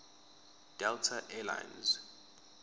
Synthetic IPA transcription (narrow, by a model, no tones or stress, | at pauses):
d̥ɛltʰaʔɛla̰jnz